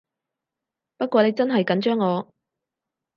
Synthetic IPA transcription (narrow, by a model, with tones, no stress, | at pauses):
pɐ˥t̚kʷɔː˨˧ne˨˧jt͡sɐ˥nɦɐ˨jkɐ˨˥nt͡ʃœː˥ŋːɔː˨˧